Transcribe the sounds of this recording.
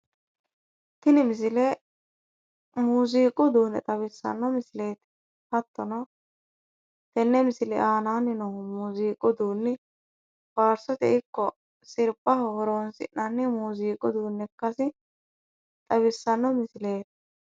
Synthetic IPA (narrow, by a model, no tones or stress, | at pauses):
t̪ɪnɪmɪs̬ɪle | muːziːkʼʊd̪uːnɛt̪ʼɐβɪsːɐ̰nːɔmɪsɪleːt̪ | hɐt̪ːɔnɔ | t̪ɛnːɛmɪsɪlɛ̰ʔaːnaːnːɪnɔʊmuːziːkʼʊd̪uːnːɪ | b̥aːɾsɔt̪ɛʔɪkːɔ | sɪɾpʼːɐhoːɾoːnsɪ̰ʔnɐnːɪmuːziːkʼʊd̪uːnːɛkːɐsɪ | t̪ʼɐbɪsːɐnːɔmɪsɪleːt̪